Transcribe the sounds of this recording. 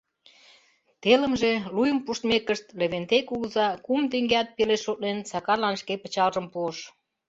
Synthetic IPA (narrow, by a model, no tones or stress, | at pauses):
t̪elə̆mʒelujə̆mpuʃt̪mekəʃt̪leβent̪ekuɣzɑkumt̪eŋɡeæt̪̚peleʃot̪̚nensɑkɑrlɑnʃkepə̆t͡ɕɑlʒəmpuəʃ